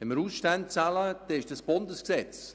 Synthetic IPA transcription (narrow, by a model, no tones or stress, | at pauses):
ɛnməɾuːsʃtant̚t͡saləd̥ɛɪʃd̥asb̥ʊndəsksɛt͡s